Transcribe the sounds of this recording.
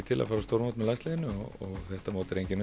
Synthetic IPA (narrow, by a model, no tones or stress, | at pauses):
ɪt̪ʰɪla̰faːɾast̪owɾmawt̪mɛðlajnst̪lðɪnːʏɔɣɔɣθɛht̪amoːwt̪ɪɾejɲcɪn